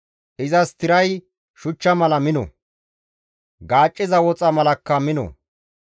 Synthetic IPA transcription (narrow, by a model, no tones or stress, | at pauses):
ʔɪzɐst̪ɪɾɐj | ʃʊt͡ʃːɐmɐlɐmɪnɔ̰ | ɡaːt͡ʃʼːɪzɐwɔt͡sʼɐmɐlɐkːɐmɪnɔ̰